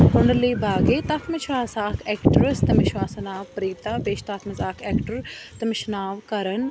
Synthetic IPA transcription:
pʊɳɖɾliːbaːɡeːt̪ɐfʰmɪʃʋaːsaːkʰɛːkʈɾəst̪ɐmɪʃʋaːsɐnaːʋpɾiːt̪aːpeːʃt̪aːpʰmɐzaːkʰɛːkʈəɾt̪ɐmɪʃnaːʋkɐɾən

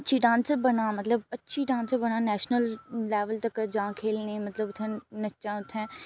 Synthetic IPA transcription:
ətːʃʰiɖãːnsəɾbɐnãːmɐt̪ləbɐtːʃʰiːɖãːnsəɾbəɽñãːnɛːʃnəllɛːʋəlt̪əkd͡ʒãːkʰeːlnẽːmɐt̪ləbʊt̪ʰːɛ̃ːnɐʃãːʊt̪ʰːɛ̃ː

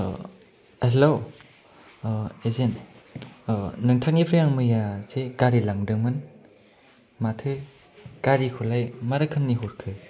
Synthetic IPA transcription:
elow | ezen | nɯŋtʰak̚nipʰɾɯjaŋmɯjasekaɾilaŋdɯŋmɯn | matʰɯ | kaɾikʰulajmaɾɯkʰɯnniɦuɾkʰɯ

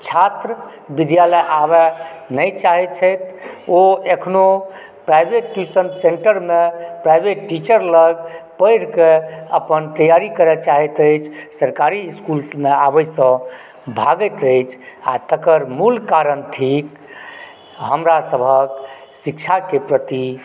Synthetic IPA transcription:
t͡ʃʰat̪ɾə | bid̪jaləjʔaβɛnəjt͡ʃaɦɛt̪t͡ʃʰəjt̪oekʰno | pɾajbeʈːusənsẽɳʈəɾmepɾajbeʈːit͡ʃəɾləɡpəɪɾkeəpənt̪əjaɾikəɾɛt͡ʃaɦɛt̪əɪt͡ʃʰsəɾkaɾiːskulmeabəjsə̃ | bʱaɡət̪əɪt͡ʃʰat̪əkəɾmulkaɾənt̪ʰik | ɦəmɾasəbʱək | sikt͡ʃʰakepɾət̪i

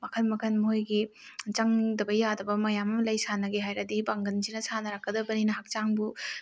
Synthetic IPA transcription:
mɐkʰɐnmɐkʰɐnmɦojɡit͡ʃɐŋdɐbɐjadɐbɐmɐjamɐmlɐjsanɐɡeɦajɾɐdibaŋɡɐnsinɐsanɐɾakːɐdɐbɐninɐɦak̚t͡ʃaŋbu

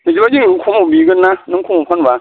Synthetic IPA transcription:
mid͡ʒibad͡ʒʲiikʰʷomubiɡinːaniŋkʰomupɔnba

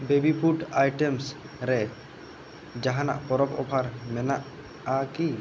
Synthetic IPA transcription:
bebipʰuʈajʈems | ɾɛ | d͡ʒaɦana̰ʔpɔɾɔpɔ̰pʰaɾmɛnaʔ | aki

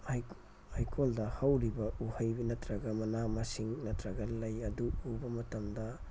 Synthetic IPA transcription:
j | hajkʰoldɐhɐwɾibɐʔuhɐjbinɐtɾɐɡɐmɐnamɐsiŋnɐtɾɐɡɐlɐjɐduubɐmɐtɐmdɐ

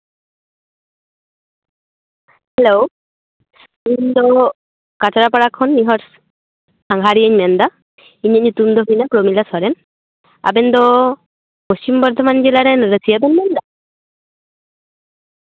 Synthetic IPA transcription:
hɛlo | und̪ɔ | kat͡ʃaɾapaɽakʰɔnːiɦɔɾ | saŋɦaɾiəɲmɛnd̪a | iɲəɲut̪umd̪ɔɦujnakɾomilasɔɾɛn | a̰bɛnd̪ɔ | post͡ʃimbɔɾd̪ʱɔmand͡ʒilaɾɛnɾəsʰijabɛnmɛnd̪a

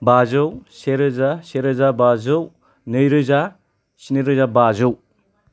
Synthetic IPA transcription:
bazɯwseɾɯzaseɾɯzabazɯw | nɯjɾɯza | sinɯɾɯzabazɯw

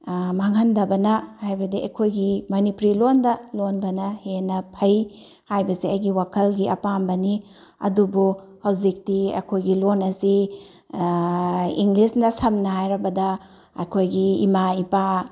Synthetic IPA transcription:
maŋɦɐndɐbɐnɐhajbɐdiɐ̰kʰojɡimɐnipɾilondɐlonbɐnɐhenɐpʰɐj | hajbɐsiɐjɡiwakʰɐlɡiʔɐ̰pambɐni | ɐ̰dubu | hɐwzik̚tiɐ̰kʰojɡilonɐsi | iŋɡlisnɐsɐmnɐhajɾɐbɐdɐ | ɐ̰kʰojɡiːmaipa

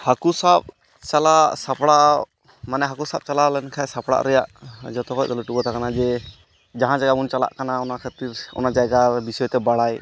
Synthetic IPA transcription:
hakusap̚ | t͡ʃalasapɽaʔ | manɛɦakusap̚t͡ʃalalɛnkʰajsapɽa̰ʔɾɛjaʔd͡ʒɔt̪ɔkɔʔd̪ɔləʈubɔt̪ʰakanad͡ʒɛ | d͡ʒaɦãd͡ʒaɡamunt͡ʃala̰ʔkanaɔnakʰat̪iɾɔ̰nad͡ʒaɡabisɔjt̪ɛbaɽaj

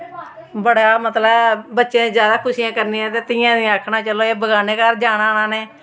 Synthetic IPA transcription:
bəɽaːmət̪ləbbətːʃẽːzjaːd̪aːkʰʊsiːãːkəɾnĩːɛ̃ːt̪eːt̪ɪːjãːd̪ĩːakʰnaːt͡ʃəloːeːbəɡaːneːkaɾd͡ʒaːɽaːnãːneː

